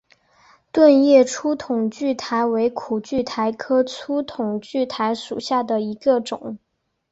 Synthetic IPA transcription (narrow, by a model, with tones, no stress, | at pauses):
t̪wə˥˧njɛ˥˩ʈ͡ʂʰu˥t̪ʰʊ˨˩ŋt͡ɕy˥˩t̪ʰa˧˥ɪwe˧˥ɪkʰu˨˩t͡ɕy˥˩t̪ʰa˧˥ɪkʰɤ˥t͡sʰu˥t̪ʰʊ˨˩ŋt͡ɕy˥˩t̪ʰa˧˥ɪʂu˨˩ɕja˥˩d̪ə˩i˧˥ɡə˧ʈ͡ʂʊ˨˩˦ŋ